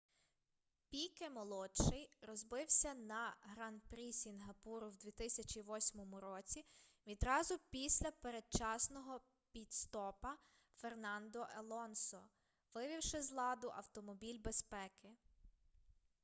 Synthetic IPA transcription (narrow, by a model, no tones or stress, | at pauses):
pʲijkemɔlˠɔtʃɪjɾɔzbɪwsʲɐnɐɦɾɑnpɾʲisʲinɦɐpuɾʊwd̪ʲʋʲit̪ɪsʲɐt͡ʃiʋɔsʲmɔmʊɾɔt͡sʲiʋʲid̪ɾɑzʊpʲisʲlʲɐpeɾed̪̚t͡ʃɑsnɔɦɔ | pʲit̪st̪ɔpɐ | fernɑnd̪ɔʔelˠɔnsɔ | ʋɪʋʲiwʃɪzlˠɑd̪ʊʔɐ̰wt̪ɔmɔbʲilʲbe̞spɛkɪ